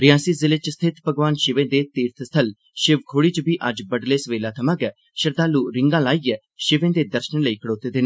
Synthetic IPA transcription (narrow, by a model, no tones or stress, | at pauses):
ɾɪjaːsiːzɪlet͡ʃst̪ʰɪt̪pəɡʋaːnʃɪʋẽːd̪eːt̪iːɾt̪ʰst̪ʰəl | ʃɪʋkʰoːɽiːt͡ʃbiːʔəd͡ʒbəɖleːsəʋeːlaːt̪ʰəmãːɡɛː | ʃəɾd̪aːluːɾɪŋɡãːlaːiːɛː | ʃɪʋẽːd̪eːd̪əɾʃənləiːkʰəɽoːt̪eːd̪eːnː